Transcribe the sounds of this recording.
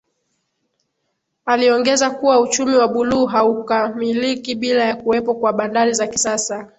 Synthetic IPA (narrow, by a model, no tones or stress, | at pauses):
aliɔŋɡɛzakuwaut͡ʃumiwaɓuluːɦaukamilikiɓilajakuwɛpɔkwaɓandaɾizakisasa